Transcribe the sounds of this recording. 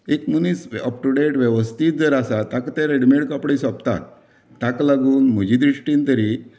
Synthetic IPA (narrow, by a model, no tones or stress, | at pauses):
ekmunisəp̚ʈuɽeʈʋjəʋəst̪ʰit̪̚d͡zəɾasat̪akt̪aɾeɽmeɽkapɽesɔpt̪a̰t̪ː | aklaɡuːnm̤ud͡ʑid̪ɾiʂʈiːnt̪əɾi